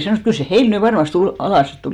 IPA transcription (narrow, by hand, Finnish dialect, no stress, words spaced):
sɑnoˑs kyl se heil ny ʋɑrmɑste ul ɑlɑˑs sit tuliˑ